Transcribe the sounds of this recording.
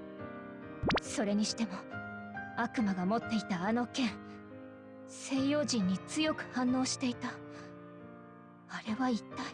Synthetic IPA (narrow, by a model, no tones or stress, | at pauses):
so̞ɾe̞ɲ̟iɕi̥t̪e̞mo̞ | akɯ̟maɡamo̞t̪ːe̞it̪aːno̞kẽ̞ɰ̃ | se̞ːjo̞ːʑĩɲ̟ːit͡sɨjo̞kɯ̟̥hãnːo̞ːɕi̥t̪e̞it̪a | aɾe̞βait̪ːa